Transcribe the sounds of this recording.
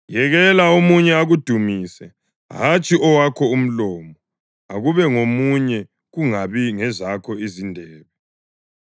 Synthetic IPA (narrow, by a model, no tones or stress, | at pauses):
jɛɣɛlaomuɲɛaɣud̥ʱumiːsɛ | ɦat͡ʃʼiɔwakʰɔum̩lɔːmɔ | a̰ɣuβɛŋomuɲɛ | ɣuŋaβiŋɛzakʰɔizindʱɛːβɛ